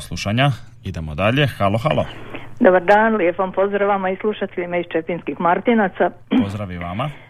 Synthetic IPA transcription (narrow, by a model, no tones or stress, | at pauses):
slˠuʃaɲa | id̪e̞mod̪aʎe̞xalˠoxa̰ːlˠod̪obaɾd̪aːnlje̞pompo̞zd̪ɾaʋamaislˠuʃat̪eʎimait͡ʃepinskixmaɾt̪inat̪sa | pozd̪ɾaʋiʋama